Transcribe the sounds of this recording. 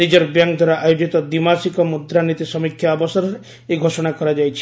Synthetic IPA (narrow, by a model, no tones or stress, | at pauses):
nid͡ʒɔɾbjaŋkd̪ʱwaɾaʔajod͡ʒit̪ɔd̪imasikɔmud̪ɾanit̪isɔmikʰjaːbɔsɔɾɔɾe | eɡʱosɔɽ̃akɔɾad͡ʒajt͡ʃʰi̥